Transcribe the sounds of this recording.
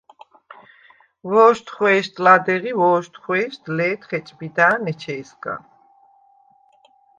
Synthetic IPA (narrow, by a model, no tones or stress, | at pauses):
vɔːʃt̪ʰχwɛːʃt̪ʰʼlad̪ɛʁivɔːʃt̪χwɛːʃd̪lɛːt̪χɛt͡ʃʼbid̪aːnɛt͡ʃʰɛːskʼa̰